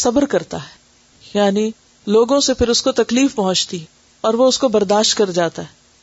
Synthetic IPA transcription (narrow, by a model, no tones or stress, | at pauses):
sɐbəɾkɐɾt̪aɦɛ | jaːni | loːɡõsepʰɪɾʊskot̪ɐkliːfpɐɦʊ̃t͡ʃt̪i | ɔːɾʋoʊskobɐɾd̪aːʃt̪̚kɐɾd͡ʒaːt̪aɦɛː